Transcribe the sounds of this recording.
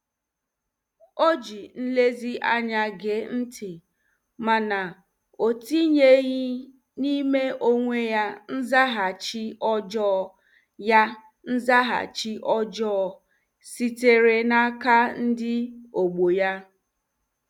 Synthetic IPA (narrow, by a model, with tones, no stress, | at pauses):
o˦d͡ʒi˨n̩˦le˦zi˦ʔa˦ɲa˦ɡe˨n̩˦tʰɪ˨ | ma˨na˨ | o˨ti˦ɲe˦ɣi˦ | ni˦me˦ʔo˦ŋʷe˦ja˦n̩˦za˦ɦa˨t͡ʃi˦ʔɔ˦d͡ʒɔː˦˨ | ja˦ | n̩˦za˦ɦa̰˨t͡ʃi˦ʔɔ˦d͡ʒɔː˦˨ | si˨te˨ɾe˨na˦ka˦n̩˦dɪ˦o˨ɡ͡bo˨ja˦